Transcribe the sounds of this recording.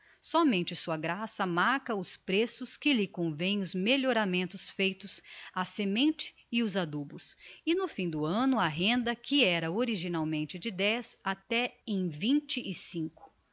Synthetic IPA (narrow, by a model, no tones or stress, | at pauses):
sɔmẽnt͡ʃɪsuɐɡɾasɐmaɾkɐʊspɾesʊskɪlɪkõvẽj̃ʊzmeʎoɾamẽnt̪ʊsfejt̪ʊsɐsemẽnt͡ʃɪ̥ːʊzad̪ubʊsɪnʊfĩd̪ʊɐ̃nʊɐɦẽnd̪ɐkʰɪɛɾɐoɾiʒinawmẽnt͡ʃɪd͡ʒɪd̪ɛzat̪ɛẽj̃vĩnt͡ʃɪʔɪsĩŋkʊ̥